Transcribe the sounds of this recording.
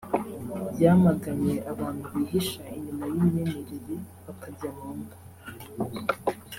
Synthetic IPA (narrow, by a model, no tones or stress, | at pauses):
bɟaːmaɡaɲe̞ʔaβaːntuiɦiʃaiɲimajiminemeɾeɾe | βakʰabɟamaːnɡa